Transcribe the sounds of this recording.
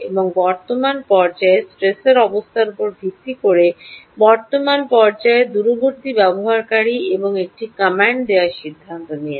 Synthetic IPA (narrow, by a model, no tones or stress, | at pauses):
eboŋbɔɾt̪omanpɔɾd͡ʑaesʈɾeseɾɔbost̪ʰaɾupoɾbʱik̪ːikoɾebɔɾt̪omanpɔɾd͡ʑaed̪uɾoɡʱoɾt̪ibɛboɦaɾkaɾieboŋek̚ʈikamaɳɖd̪eaɾʃid̪ʱːant̪onije